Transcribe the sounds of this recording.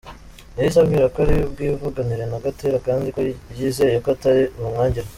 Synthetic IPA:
najis̬aβɡiɾakoaɾib̚ɡiːvuɡaniɾe̞naɡateːɾakaːndikojiːzejokoataɾiuumŋaːɲɟiɾa

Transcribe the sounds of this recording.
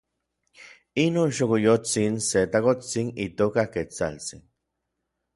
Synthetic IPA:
inoːnʃokojot͡sinset̪akot͡sinit̪oːkahket͡sa̰lt͡sḭn

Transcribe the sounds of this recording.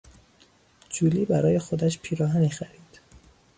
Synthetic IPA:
d͡ʒuːliːbæɾɒːje̞xod̪æʃpʰiːɾɒːɦænixæɾiːd̪̥

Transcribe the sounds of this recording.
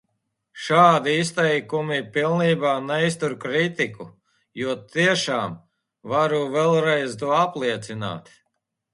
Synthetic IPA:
ʃaːd̪iist̪ɛjkumipilˠniːbaːnɛist̪uɾkɾit̪iku | juɔt̪iɛʃaːm | vaɾuvɛlˠɾɛjzt̪uɔaplˠiɛt̪sina̰ːt̪

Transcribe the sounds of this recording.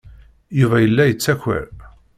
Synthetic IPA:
juvæjəlːæjət͡sːæçə̰ɾ

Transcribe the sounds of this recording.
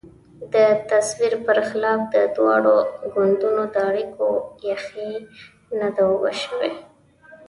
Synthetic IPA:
d̪ət̪aswiɾpəɾxɪlɑfd̪əd̪wɑ̰ɽoɡʊnd̪unod̪əaɽikʰojaxi | nad̪awwəʃəwe

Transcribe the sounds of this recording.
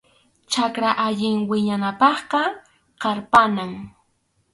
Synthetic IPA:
t͡ʃakɾaʔaʎɪŋwɪɲanapɑχqɑ | qɑɾpanaŋ

